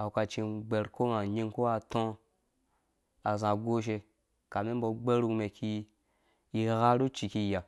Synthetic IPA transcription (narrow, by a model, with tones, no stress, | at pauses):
a˨wu˨ka˧t͡ʃi˧ɡ͡be˧ɾko˦na˨ɲi˦˧ŋ˦ko˦wa˧tõ˦ | a˨zã˨ɡo˦ʃ̬e˧ | ka˨mi˦m̩˦bo˧ɡ͡be˦ɾu˧me˨kʰi˧ | i˧ɣa˦ɾu˦t͡ʃi˧ki˧ja˨